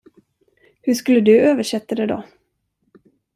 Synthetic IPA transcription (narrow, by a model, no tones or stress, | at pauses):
hɵʂkɵlːəd̪ɵøːvəʂɛt̪ːad̪ɛd̪ɔ